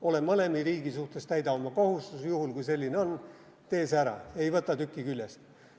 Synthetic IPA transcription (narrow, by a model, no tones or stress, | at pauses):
o̞le̞mɤle̞miɾiːɡ̥isuht̪e̞st̪æjd̪ɑomːɑkohust̪usjuhulkujse̞lʲːineo̞n | t̪e̞ːsæɾɑ̰e̞jvɤt̪ːˑɑt̪ykːˑikylʲjest̪